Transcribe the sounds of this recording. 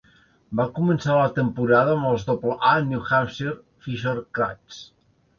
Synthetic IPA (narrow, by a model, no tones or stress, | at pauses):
bakumənsalət̪əmpuɾaðəːməlˠzðopləanjuxamseɾ | fiʃəɾkɾa̰s